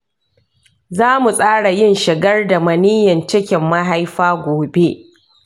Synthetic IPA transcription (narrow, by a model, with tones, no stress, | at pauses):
zaː˦mu˨sʼaː˦ɽa˨jɪ˦nʃɪ˨ɡɐ˦rda˨mɐ˨niː˦jɐ˨nt͡ʃɪ˦kʲɪ˨mːɐ˦ɦa˦jɸaː˦ɡʷoː˨be˦ʔ